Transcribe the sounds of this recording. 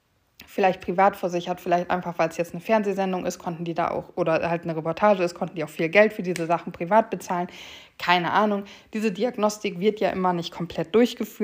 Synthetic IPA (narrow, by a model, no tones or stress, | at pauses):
fɪlaɪçt̚pʁ̥ivaːtfɛɐzɪçhatfɪlaɪçtʔa̰ɪnfaχv̥aɪlsjɛt͡stnəfɛɐnzeːzɛndʊŋʔɪ̰stkʰɔntn̩diːda̰ːʔa̰ʊxʔoːɾɐhaltnəʁɛpɔɐtʰaːʒəɪstkʰɔntn̩diːaʊxfiːlɡɛltfyːɐdiːzəzaχn̩pʁ̥ivaːt̚b̥ət͡saːlən | kʰaɪnəʔaːnʊŋ | d̥iːzədiaɡnɔstɪkv̥ɪɐtjaːʔɪmɐnɪçt̚kʰɔmpʰl̥ɛt̚d̥ʊɐçɡ̥əfyːɐt